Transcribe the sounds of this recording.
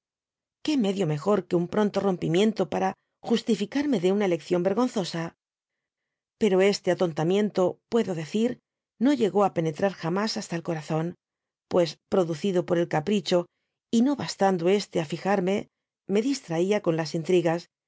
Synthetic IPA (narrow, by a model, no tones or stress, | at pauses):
ke̞me̞ðjo̞me̞xo̞ɾke̞umpɾo̞nt̪o̞ro̞mpimjẽ̞nt̪o̞paɾa | xust̪ifikaɾme̞ðe̞unaele̞kθjo̞mbe̞ɾɣo̞nθo̞sa | pe̞ɾo̞e̞st̪e̞at̪o̞nt̪amjẽ̞nt̪o̞pwe̞ðo̞ðe̞θiɾ | no̞ʎe̞ɣo̞ape̞ne̞t̪ɾaɾxamasast̪aelko̞ɾaθo̞n | pwe̞spɾo̞ðuθiðo̞po̞ɾe̞lkapɾit͡ʃo̞ | ino̞βast̪and̪oe̞st̪e̞afixaɾme̞ | me̞ðist̪ɾaiako̞nlasint̪ɾiɣas